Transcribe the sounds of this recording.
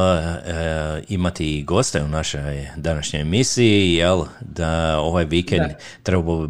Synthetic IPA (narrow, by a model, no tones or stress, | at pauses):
imat̪iɡo̞st̪eunaʃojd̪anaʃɲo̞jemisiijelˠd̪ao̞ʋajʋikend̪ | t̪ɾebapo